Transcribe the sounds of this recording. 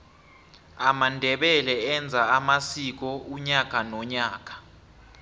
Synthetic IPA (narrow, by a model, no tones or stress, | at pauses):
amandʱɛɓɛlɛɛnd͡zʱaamasik̬ɔuɲak̬ʼanɔɲaːk̬ʼḁ